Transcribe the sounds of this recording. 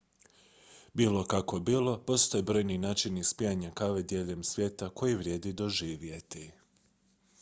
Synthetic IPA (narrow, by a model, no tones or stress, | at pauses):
biːlo̞kako̞biːlˠo̞po̞st̪o̞jebɾo̞jninaːt͡ʃinispiaɲakaʋed̪jeːʎemsʋje̞t̪ako̞jiʋɾʲje̞ːd̪id̪o̞ʒiːʋje̞t̪i